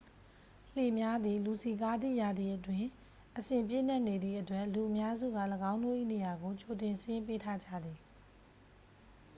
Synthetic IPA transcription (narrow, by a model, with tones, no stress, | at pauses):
l̥e˨mja˦d̪ði˨lu˨si˨k̬a˦d̪ðḭ˦˨ja˨d̪ði˨ʔətwɪ̃˨ | ʔəsɪ̃˨mp̬jɪ̰˦˨n̥ɛ˦ʔne˨d̪ði˦˨ʔətwɛ˦ʔlu˨ʔəmja˦zṵ˦˨ɡa̰˦˨ləɡã˦ʊ̃ndo̰˦ʔḭ˦˨ne˨ja˨ɡo˨t͡ɕo˨tɪ̃˨nsɪ̃˦jɪ̃˦pe˦tʰa˦d͡ʑa̰˦˨d̪ði˨